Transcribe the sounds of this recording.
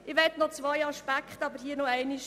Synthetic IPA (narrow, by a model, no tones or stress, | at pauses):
ɪʋɛtnɔt͡sʋajɑʃpækχtɑbəɾɦiənɔɛɪniʃ